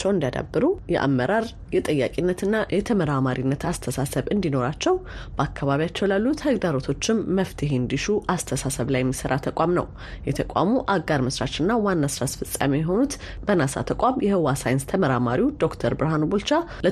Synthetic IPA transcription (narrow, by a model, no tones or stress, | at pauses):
t͡ʃːɛwnd̪iad̪a̰bːɨɾujɛ̰ʔa̰mːəɾaɾ | jɛt̪ʼəjːakʼinːət̪ɨnːajɛt̪ʰəməɾamaɾinːət̪ʰast̪ʰəsasəβɨnd̪ino̞ɾat͡ʃːɛwb̥əakʰːaβaβijat͡ʃːɛwlalːut̪həɡd̪aɾo̞t̪ʰo̞t͡ʃːɪmːəft̪ʰɨɦend̪iʃuʔast̪ʰəsasəβlajɛmːisəɾat̪ʰəkʷʼamnə̰w | jɛt̪ʰəkʷʼa̰muʔaɡaɾmɨsɾat͡ʃɨnːawanːasɨɾasfɨsʼa̰mijɛɦo̞nut̪ | bənasa̰t̪ʰəkʷʼamjɛhɨwasajɪnst̪ʰəməɾamaɾiud̪o̞kt̪ʰəɾbɨɾɦanubult͡ʃa | lə